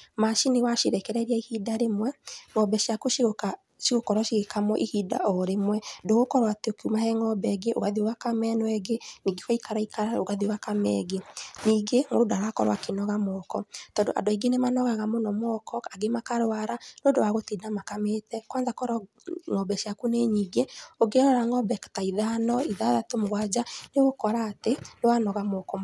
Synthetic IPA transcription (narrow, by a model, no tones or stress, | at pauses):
maʃinewaʃiɾɛkɛɾɛɾiaihidaɾemwɛŋɔbɛʃjakuʃɣoka | ʃiɣokɔɾwaʃiɣekamwɔʔihida̰ʔɔɾemwɛdoɣokɔɾwateokumahɛŋɔbɛɡeʔo̰ɣaðiwakamɛnɔɛɡeniːɡewaikaɾaikaɾaoɣaðiwakamɛ̰ɡeniːɡeŋoɾodaɾakɔ̰ɾwa̰kenɔɣamɔkɔtɔːndoʔa̰ndoaiɡenemanɔɣaɣamonɔmɔkɔkaɡemakaɾwaɾanoːndowaɣotinamakametɛkwanzakɔɾɔ | ŋɔbɛʃiakuneɲiɡeoɡeɾɔɾaŋɔbɛktaiðanɔiðaðatomoɣwad͡ʒaneɣokɔɾaːtenewanɔɣamɔkɔ